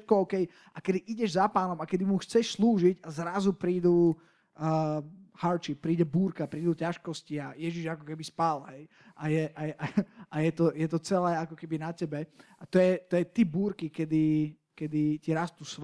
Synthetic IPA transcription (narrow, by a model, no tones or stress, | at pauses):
t̪̚kɔɔʊkɛj | ʔakɛd̪iʔiɟɛʒzapaːnɔmakɛd̪imuxt͡sɛʃsluːʒiɟazɾazupɾiːd̪uː | haɾt͡ʃippːɾiːɟɛbuːɾkapɾiːd̪ucaʃkɔsciajɛʒiʒakɔkɛbispalɦɛj | ʔajɛʔaʔaʔajɛt̪ɔjɛt̪ɔt͡sɛlɛːakɔkɛbinacɛbɛat̪ɔjɛt̪ɔjɛt̪ibuːɾkikɛd̪i | kɛd̪iciɾast̪usʋ